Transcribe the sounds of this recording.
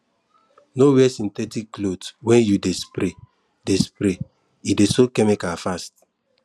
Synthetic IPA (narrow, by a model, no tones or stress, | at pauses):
nowiɛsĩntɛtikːlodwɛ̃njudespɾe | despɾe | idesokɛmikafast